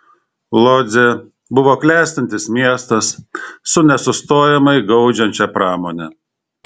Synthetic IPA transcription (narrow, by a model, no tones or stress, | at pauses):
lˠoːzʲe | bʊʋoːklʲæːˑsʲt̪ɐnʲt̪ʲɪsmʲiɛst̪ɐsːʊnʲɛsʊst̪oːjɛmɐɪɡɐʊd͡ʒʲɛnʲt͡ʃʲɛpɾɑːmoːnʲɛ